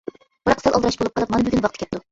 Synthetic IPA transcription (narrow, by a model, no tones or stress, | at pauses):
b̥ɾɑqʰsɑlˠʔɑlˠd̪ɨɾɑʃbolˠup̚qɑlˠɨp̚mɑnbyd̪ʲinwɑqt̪ʰɨkʲɛp̚t̪u